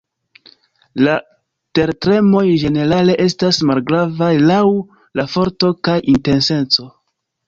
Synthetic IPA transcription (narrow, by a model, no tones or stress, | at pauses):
la | te̞ɾtɾe̞mo̞jʒe̞ne̞ɾale̞ʔe̞stasmalɡɾavajlaw | lafo̞ɾto̞kajinte̞nse̞nt͡so̞